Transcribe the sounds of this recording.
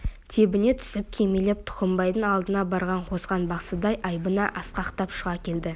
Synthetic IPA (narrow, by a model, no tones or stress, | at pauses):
t̪ʰe̞bɪne̞t̪ʰʏ̥sɪp̚kʲʰemelep̚t̪ʰʊ̥qəmbɑjd̪əŋɑlˠd̪ənɑbɑɾʁɑɴqʰo̞sʁɑnbɑqsəd̪ɑjʔɑjbənɑʔɑsqɑqt̪ɑpʃʊʁɑkʲʰe̞ld̪ɪ